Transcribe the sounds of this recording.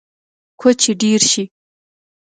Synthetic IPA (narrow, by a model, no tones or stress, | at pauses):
kʷʰɔt͡ʃʰiɖiːrʃiː